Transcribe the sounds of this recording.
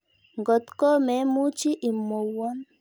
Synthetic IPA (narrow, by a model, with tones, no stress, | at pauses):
ŋɡɔ˨t̪kɔ˦mɛ˨˦mu˦t͡ʃi˦ʔi˨mo˨wɔ˦n